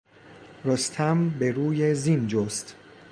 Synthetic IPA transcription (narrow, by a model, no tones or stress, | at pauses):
ɾost̪ʰæmbeɾuːjezind͡ʒost̪